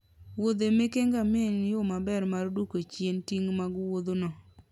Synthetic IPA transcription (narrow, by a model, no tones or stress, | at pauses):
wod̪emekeŋɡamenjomabɛɾmaɾdukot͡ʃjentiŋmaɡʊwod̪onɔ